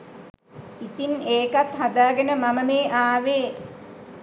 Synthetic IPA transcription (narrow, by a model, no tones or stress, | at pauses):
it̪ineːkat̪ɦad̪aːɡenəmaməmeːʔaːʋeː